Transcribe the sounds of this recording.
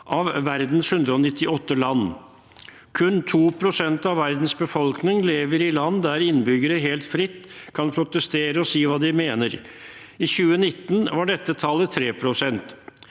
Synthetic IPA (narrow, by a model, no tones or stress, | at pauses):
ʔɑʋʋæɾd̪n̩shʉnd̪ɾəɔnɪt̪ːɪɔt̪ːəlɑnː | kʰʉnt̪ʰuːpʰɾʊsɛnt̪ɑʋːæɾd̪n̩sbəfɔlknɪŋleːʋəɾɪlɑnːd̪æɾɪnbʏɡəɾəɦeːlt̪fɾɪt̪ːkʰɑnpʰɾʊt̪əst̪eːɾəɔsiːʋɑːd̪ɪmeːnəɾ | ɪçʉːənɪt̪ːn̩ʋɑɖɛt̪ːət̪ʰɑlːət̪ʰɾeːpʰɾʊsɛnt̪